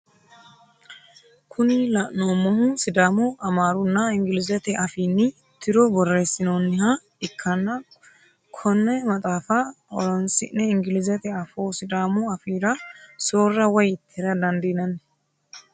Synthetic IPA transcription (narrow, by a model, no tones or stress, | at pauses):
kʰʊnɪlɐʔnoːmɔhʊsɪd̪aːmʊʔɐmaːɾʊnːɐɪŋɡɪlɪzɛt̪ɛʔɐfiːnːɪ | t̪ɪɾɔbɔrːe̞ːsːɪnoːnːɪha | ɪkʰːɐnːɐ | kʰɔnːɛmɐt̪ʼaːfɐɔ̰lɔnsɪ̰nːɛɪŋɡɪlɪzɛt̪ɛɐfoːsɪd̪aːmʊɐfiːɾɐsoːrːɐwɔjɪt̪ːɪɛɾɐd̪ɐnd̪iːnɐn